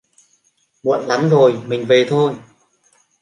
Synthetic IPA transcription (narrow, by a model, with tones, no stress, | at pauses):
mṵ˧˨ənla˨˦mzo˨˩jmï˨˩ŋ̟ve˨˩t̪ʰo˧j